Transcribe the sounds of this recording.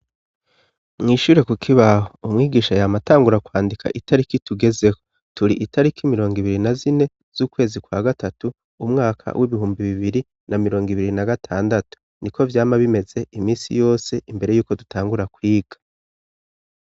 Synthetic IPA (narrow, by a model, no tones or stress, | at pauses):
mŋiːʃuːɾe̞kukʰiβahoumŋiːɡiːʃajamataːŋɡuɾakwaːndikʰa̰ʔitʰaɾikituɡe̞ze̞ko̞ | tuɾiʔitʰaɾikʰimiɾo̞ːŋɡiβiɾinazine̞ | z̥uːkwe̞ːzikwaɡatatu | umŋaːkʰa̰wʔiβiɦuːmbiβiβiɾi | namiɾo̞ːŋɡiβiɾinaɡatʰaːndatu̥ | nikʰo̞vjaːmaβime̞ze̞imiːnsḭjo̞ːse̞ʔimbe̞ɾe̞juːko̞dutʰaːŋɡuɾakwiːɡ̥ḁ